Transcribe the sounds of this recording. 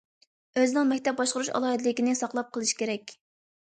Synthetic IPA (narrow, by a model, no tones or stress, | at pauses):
øzɪnɪŋmɛkʲt̪ʰɛp̚bɑʃqəɾuʃɑ̰lˠɑːid̪lɪkʲinɪsɑqlˠɑp̚qʰəlˠɨʃi̥kʲʰeɾɛkʲ